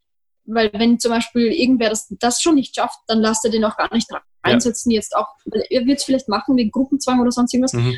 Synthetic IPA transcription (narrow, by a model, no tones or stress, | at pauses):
vaɪlvɛnt͡sʊmbaɪʃpiːlʔɪɐɡŋ̩tveːɐdasd̥asʃoːnːɪçtʃaft̚d̥anlasteːɐdeːnaʊxɡ̥a̰ːɐnɪçtʁ | aɪnzɛt͡sn̩jɛt͡sta̰ʊxvaɪlʔeːɐvɪɐtsfɪlaɪçtmaχŋ̩veːɡŋ̩ɡ̥ʁʊpm̩t͡sv̥aŋʔoːɾɐzɔnstɪŋtv̥as